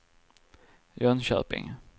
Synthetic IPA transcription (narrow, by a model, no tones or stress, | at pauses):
jɔnɕœ̰ːpɪ̰ŋ